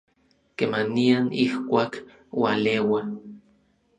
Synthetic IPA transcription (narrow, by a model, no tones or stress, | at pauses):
kemanianihkʷaːk | walewa